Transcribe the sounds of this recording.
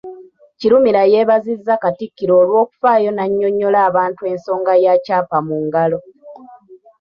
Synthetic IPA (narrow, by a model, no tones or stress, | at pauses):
ciɾumiɾaje̞ːβazizːakatikːiɾo̞ːlwo̞ːku̥faːjo̞naɲːo̞ɲːo̞laːβaːntue̞ːnso̞ːŋɡajacaːpamuŋɡalo̞